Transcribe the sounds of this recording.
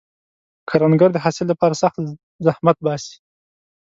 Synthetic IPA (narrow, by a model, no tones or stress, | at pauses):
kʰaɾanɡaɾd̪əɦasɪlːapɑɾasaxt̪ | zahmat̪̚bɑsi̥